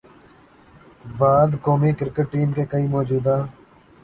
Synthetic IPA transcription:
baːd̪koːmikɪɾkəʈːiːmkeːkəiːmɔːd͡ʒuːd̪aː

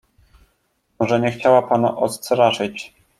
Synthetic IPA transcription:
ɔʐɛɲɛxt͡ɕawapana̰ʔɔst̪ɾaʂɘt͡ɕ

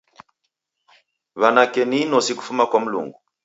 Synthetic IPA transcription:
βanakɛninɔsiku̥fumakwam̩lṵŋɡu

